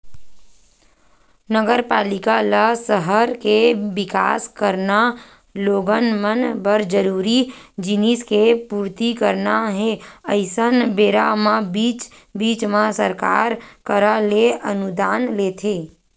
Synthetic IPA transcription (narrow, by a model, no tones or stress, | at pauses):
nəɡəɾpaːlɪkalasəɦəɾkebɪka̰ːskəɾna | loːɡənmənbəɾd͡ʒəɾuːɾid͡ʒɪniskepuːɾt̪ikəɾnaɦɛəɪsənbeːɾamabiːt͡ʃ | biːt͡ʃmãsəɾka̰ːɾkəɾaleʔənud̪aːnleːt̪ʰeː